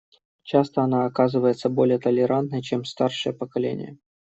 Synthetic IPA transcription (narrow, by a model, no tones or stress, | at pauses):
t͡ɕast̪əɐnaɐkazɨvəjɪt̪səbo̞lʲɪjət̪əlʲɪɾant̪nəjt͡ɕemst̪arʂɨjəpəkɐlʲḛnʲɪ̰jə̰